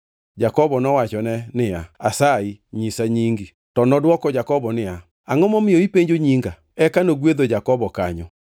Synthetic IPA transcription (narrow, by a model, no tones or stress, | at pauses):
d͡ʒakɔβɔnɔwat͡ʃɔnɛnɪaasaiɲisaɲiːŋɡi | tɔnɔdwɔkɔd͡ʒakɔβɔnɪa | aŋɔmɔmeoipeɲd͡ʒoɲiːŋɡa | ɛkanoɡweðod͡ʒakɔβɔka̰ɲɔ